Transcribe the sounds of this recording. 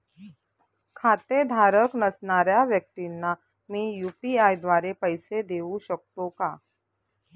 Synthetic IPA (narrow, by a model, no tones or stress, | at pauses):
kʰaːt̪ed̪ʱaːɾəknɐsnaːɾjaʋjək̚t̪inːa | mĩjuːpiaːjd̪ʋaːɾepɐɪsed̪eːũʃək̚t̪õkaː